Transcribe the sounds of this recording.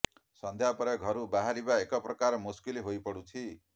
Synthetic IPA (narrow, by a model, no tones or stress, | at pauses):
sʌnd̪ʱjapɔɾʌɡʱʌɾubaɦaɾibaekʌprʌkaɾmuskiliɦojpʌɽut̪ʰi